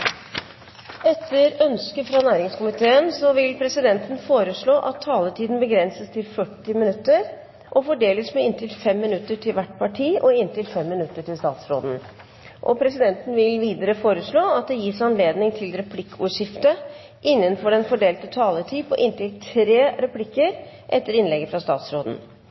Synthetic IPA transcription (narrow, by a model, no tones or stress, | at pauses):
ɛt̪ʰːəɾœnskəfɾɑnæːɾɪŋskʰʊmɪt̪ʰeːənsɔʋɪlpʰɾɛsɪd̪ɛnt̪n̩foːɾəʂɭoːʔɑt̪ʰːɑːləʈʰiːd̪n̩bəɡɾɛnsəst̪ʰɪlfœʈːɪmɪnʉt̪ːəɾ | ʔɔfɔɖeːləsmɛɪnt̪ʰɪlfɛmːɪnʉt̪ːəʈʰɪlʋæʈpʰɑʈʰiːʔɔɪnt̪ɪlfɛmːɪnʉt̪ːəʈʰɪlst̪ɑ̰ːt̪sɾo̰ːd̪n̩ | ʔɔpʰɾɛsɪd̪ɛnt̪ən̩ʋɪlʋiːd̪əɾəfoːɾəʂɭoːɑt̪̚d̪ɛjiːsɑnleːd̪nɪŋt̪ʰɪlɾɛpʰlɪkʰːuːʂɪft̪ə | ʔɪnːənfɔɖɛnfɔɖeːlt̪ət̪ʰɑːlətʰiːpʰɔʔɪnt̪ɪlt̪ʰɾeːɾɛpʰlɪkːəɾ | ʔɛt̪ːəɾɪnlɛɡəfɾɑst̪ɑ̰ːt̪sɾoːd̪n̩